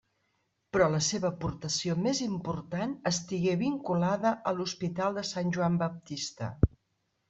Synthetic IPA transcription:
pɾɔləseβəpuɾt̪əsiomezimpuɾt̪anəst̪iɣeβiŋkulaðəʔəluspit̪alˠd̪əsanʲʒuambəp̚t̪ist̪ə̰

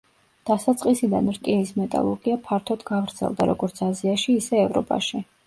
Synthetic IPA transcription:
d̪̥asat̪sʼqʼisid̪anɾkʼinismɛt̪ʼa̰lˠɔ̰ɾɡ̥iapʰaɾt̪ʰɔd̪ɡavɾt̪sʰɛ̰lˠd̪a̰ɾɔɡɔɾt̪sʰaziaʃiːsɛːvɾɔ̰pʼa̰ʃi

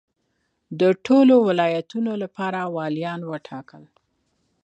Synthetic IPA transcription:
d̪əʈʰolowɪlɑjat̪unolapɑɾawɑljɑnwəʈʰɑkəl

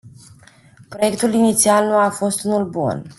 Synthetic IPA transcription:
pɾo̞je̞kt̪ulinit̪sialnuafo̞st̪unulbṵn

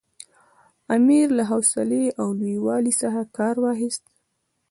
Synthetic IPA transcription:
amiɾlaɦawsɪleawlujwɑlisaxakɑɾwɑxɪst̪

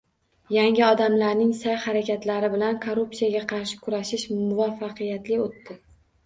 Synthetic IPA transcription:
jaŋɪɒd̪amlaɾnɪŋsajhaɾakʲʰat̪laɾɪbɪlankʰoɾupsijaɡʲaqʰɑɾʃɪ̥kʰʊɾaʃɪʃmʊvafːɑqʰɨjat̪lɪot̪ːɪ

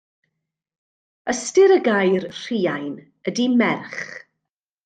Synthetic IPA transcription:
əstɪɾəɡajrr̥iːajn | ədimɛrχ

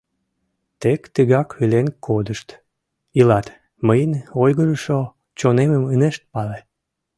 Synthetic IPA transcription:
t̪ekt̪əɣɑkilenkʰod̪əʃt̪ | ilɑt̪ | məjənojɣəɾəʃo | t͡ɕoneməməneʃt̪̚pɑle

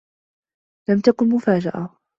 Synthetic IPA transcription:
lamt̪akʊnmʊfaːd͡ʒaʔa

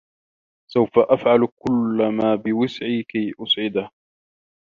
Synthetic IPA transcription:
sawfaʔafʕalkʊlːamaːbɪwɪsʕiːkajʔʊsʕɪd̪ah

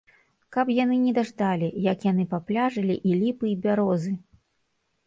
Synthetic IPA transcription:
kapjan̪ɨnʲɛd̪aʐd̪alʲijɐkjanɨpaplʲaʐɐlʲiʔilʲipɨibʲaɾɔzɨ

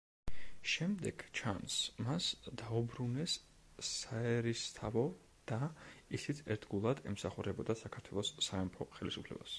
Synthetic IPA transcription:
ʃɛmd̪ɛɡ̥t͡ʃʰansmasd̪aubɾunɛsː | aɛɾist̪ʰavɔ | d̪̥aisit̪sʰɛ̰ɾt̪ʰɡulˠad̪ɛmsaχuɾɛbɔd̪asakʰaɾt̪ʰwɛlˠɔsːaɛmpʰɔχɛlisupʰlɛ̰ba̰s

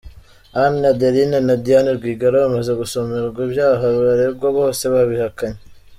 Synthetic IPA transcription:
annadeɾinenadijaniɾɡwiːɡaɾoamaze̞ɡusomeɾɡwibjaːɦaββaɾebɡoβoːse̞βaβihakaɲe

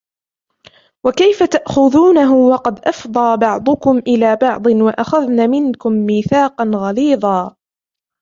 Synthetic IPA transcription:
wakajfat̪aʔxʊðuːnaɦʊwɑqɑd̪ʔɑfd̪ˤɑːbɑʕd̪ˤʊkʊmʔɪlaːbɑʕd̪ˤɨnwaʔaxaðnaːmɪnkʊmːiːθaːqɑnɣɑliːd̪ˤɑː

